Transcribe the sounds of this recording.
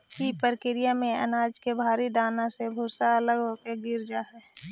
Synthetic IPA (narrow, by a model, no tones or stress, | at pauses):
kipəɾkɪɾijamẽə̰naːd͡ʒkebʱaːɾid̪aːnãsebʱuːsaələɡɦoːkeɡɪɾd͡ʒaːɦɛː